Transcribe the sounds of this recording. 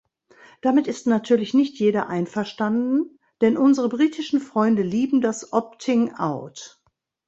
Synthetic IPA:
d̥amɪtɪstnatʰyːɐlɪçnɪçtjeːɾɐʔaɪnfɛɐʃtandn̩ | d̥ɛnʔʊnzəʁəbʁiːtʰɪʃn̩fʁ̥ɔʏndəliːbm̩dasʔɔp̚tʰɪŋʔa̰ʊt

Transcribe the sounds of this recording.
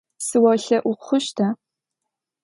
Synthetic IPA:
sɨwɐɬɐʔʷʊqχʷʊʃtʰa

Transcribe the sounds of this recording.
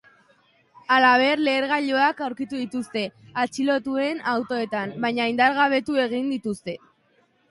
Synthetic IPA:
alaβ̞e̞rle̞ːɾɣaʎo̞akawɾkit̪uðit̪ust̪e̞at͡ʃilo̞t̪ue̞nawt̪o̞e̞t̪ambaɲaind̪aɾɣaβ̞e̞t̪ue̞ɣ̞ind̪it̪ust̪e̞

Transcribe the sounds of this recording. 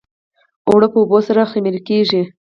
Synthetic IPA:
owɽəpəubosaɾaximelkeʒi

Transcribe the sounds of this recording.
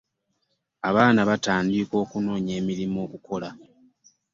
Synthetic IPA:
aβaːnaβataːndiko̞ːkuno̞ːɲe̞ːmiɾimo̞ːkuko̞la

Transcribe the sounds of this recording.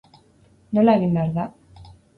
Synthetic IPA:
nolaeɣ̞imbeaɾða

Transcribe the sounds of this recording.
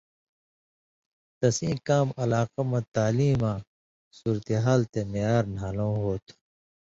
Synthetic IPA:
t̪ɐsĩːkaːmɐlaːqamãt̪aːliːmã | suːɾt̪eɦaːlt̪emejaːɾnaːlõːɦoːt̪ʰ

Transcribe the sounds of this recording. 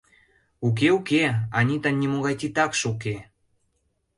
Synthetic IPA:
uk̬eukeɑnʲit̪anʲːimoɣɑjt̪it̪ɑkʃuke

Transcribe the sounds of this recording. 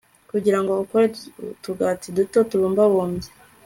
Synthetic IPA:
kuɟiɾaŋɡoukoɾetuɡatidutotuβuːmbawoːmbe

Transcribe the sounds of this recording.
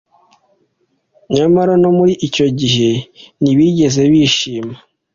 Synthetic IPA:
ɲamaɾano̞muɾiʔico̞ɟiɦe̞niβiɟe̞ze̞βiʃiːma

